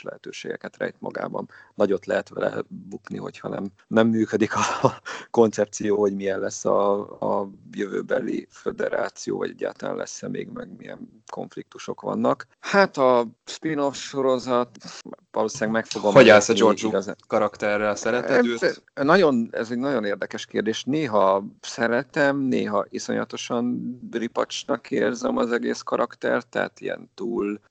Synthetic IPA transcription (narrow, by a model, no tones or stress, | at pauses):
ʃlɛɦɛt̪øːʃeːɡɛkɛt̪rɛ̰jt̪mɒ̰ɡa̰ːbɒnnɒɟo̞t̪lɛɦɛt̪ʋɛlɛ̰bukniɦo̞chɒnɛm | nɛmːyːkød̪ikʰɒko̞nt̪sɛp̚t̪sijoːho̞ɟmijɛnlɛsːɒː | jøvøːbɛlifed̪ɛɾa̰ːt̪sijo̰ːvɒɟɛɟːa̰ːt̪ɒla̰ːnlʔɛsːɛmʔeːɡmɛɡmijɛ̰n | kʰo̞̰ɱflik̚t̪uʃo̞kʋɒ̰nːɒk | hat̪ɒspino̞fʃo̞ɾo̞zɒt̪vɒloːsinaːɡmɛkfoɡomːɒɛlsɛd͡ʒoid͡ʒuɡɒza̰kɒɾɒkt̪ɛrːɛlsɛɾɛt̪ɛnɒɟo̞nɛ̰zɛɟnɒɟo̞neːrd̪ɛkɛʃkeːrd̪eːʃneːɦɒsɛɾɛt̪ɛmneːɦɒʔiso̞ɲlɒt̪o̞ʃɒnbripɒt͡ʃnɒkeːrzɛmɒzɛɡeːskɒɾɒkt̪ɛrt̪ːɛɦa̰t̪ijɛ̰nt̪uːl